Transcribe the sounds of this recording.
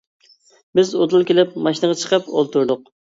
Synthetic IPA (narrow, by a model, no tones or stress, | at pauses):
bɪzot̪ˠulˠkʲelɪpmɑʃinəʁɑt͡ʃʰə̥qʰəpo̰lˠt̪ʰuɾd̪ʊq